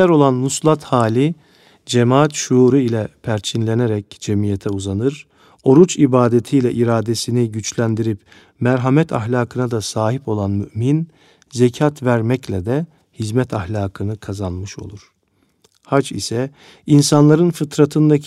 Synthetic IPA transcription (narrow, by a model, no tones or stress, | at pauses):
ɛɾo̞lˠanːuslˠat̪haːlʲi | d͡ʒemaːat̪ʃuːɾɯilʲɛpʰæɾt͡ʃʰinlʲeneɾɛcd͡ʒemijet̪ʰɛuzanɯɾ | o̞ɾut͡ʃibaːd̪et̪ʰijlʲɛʔiɾaːd̪esiniɟyt͡ʃlʲænd̪iɾip | mæɾɦamɛt̪ʰa̰xlʲaːkʰɯnad̪asaːɦipo̞lˠanmyʔmin | zɛcʰat̪væɾmɛclʲɛd̪ɛ | hizmɛt̪ʰahlʲaːkʰɯnɯkʰazanmɯʃo̞̰lˠuɾ̥ | hat͡ʃḭsɛ | insanlˠaɾɯnfɯt̪ʰɾat̪ʰɯnd̪a